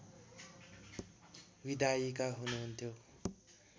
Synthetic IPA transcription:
wid̪ʱajikaɦunuɦunt̪ʰjo

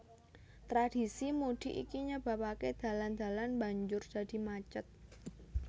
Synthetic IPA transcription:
t̪ɾad̥i̤simud̥i̤ʔḭkiɲəb̥a̤paked̪̥a̤land̪̥a̤lanbaɲd͡ʒʊrd̥a̤d̪̥i̤mat͡ʃət̪̚

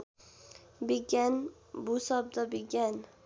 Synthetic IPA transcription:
beɡʲan | bʊsɒb̚d̪abeɡʲan

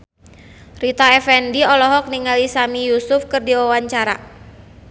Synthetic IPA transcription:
rit̪aɛfɛndiɔlɔɦɔk̚niŋalisamijusʊfkɨrdiwawaɲt͡ʃaɾa

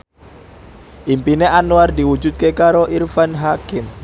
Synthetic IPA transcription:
ʔimpineʔanuardiwu̥d͡ʒut̪̚kekaɾoʔirfanɦakɪm

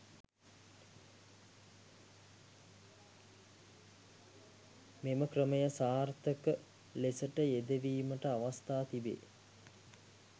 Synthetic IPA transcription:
meməkrəməjəsaːrt̪əkə | lesəʈəed̪eʋiːməʈəaʋast̪aːt̪ibḛː

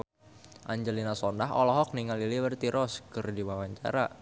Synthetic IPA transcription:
ʔaɲd͡ʒəlinasɔndaɦɔlɔɦɔk̚niŋaliliwərt̪iɾʔɔskərdiwawaɲt͡ʃa̰ɾa

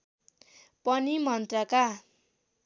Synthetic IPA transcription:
pʌnimʌnt̪rʌka

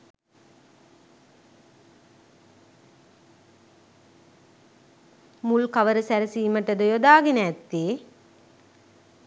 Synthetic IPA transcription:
mulkaʋəɾəsæɾəsiːməʈəd̪əjod̪aːɡenəæt̪ːeː

